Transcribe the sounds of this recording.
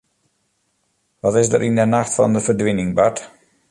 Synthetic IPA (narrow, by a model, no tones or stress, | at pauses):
ʋɑtɪsdə̰ɾʔindənaxtfɑ̰ndəvərdʋɪnɪŋbat